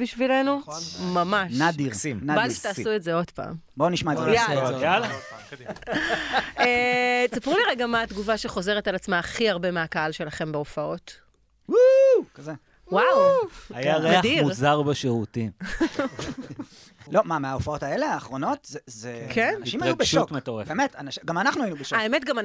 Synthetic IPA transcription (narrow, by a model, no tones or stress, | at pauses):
biʃvile̞numamanadiʁsimnabaʃe̥taːsuetzeo̞dpa̰ːmboniʃmaejajala | et͡sapʁuliʁeɡamaːt̪ɡuvaʃeχo̞ze̞ʁetalat͡smaːχiaʁbe̞meakaalʃe̞laχe̞mbeofao̞t | wukaze | wawajaʁeaadimuʁzaʁbeʃeʁutim | lo̞mameaofaotaeleaːχʁo̞no̞t̪zezekʰenniʃimajubeʃtmetoʁḛfbemetanaʃɡamanaχnuainubeʃaemetɡama